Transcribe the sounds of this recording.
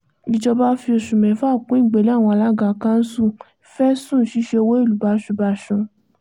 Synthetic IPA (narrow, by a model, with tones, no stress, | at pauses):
bi˧d͡ʒɔ˧ba˦fi˧o˧ʃu˨mɛ̃˨˦fa˦˨kũ˨˦ĩ˦˨ɡ͡be˨li˦a˦˨w̃ɔ̃˧a˧la˦ɡa˧˨kã˦n̩˦sũ˦˨ | fɛ˦sũ˦˨ʃi˨˦ʃe˧o˧wo˦i˦˨lu˨ba˧˦ʃu˧˨ba˧ʃũ˧